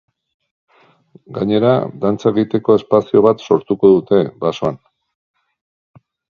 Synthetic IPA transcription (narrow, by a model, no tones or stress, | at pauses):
ɡaɲe̞ɾa̰d̪ant͡saeɣit̪e̞ko̞e̞spasio̞βat̪so̞ɾt̪uko̞ðut̪e̞basoan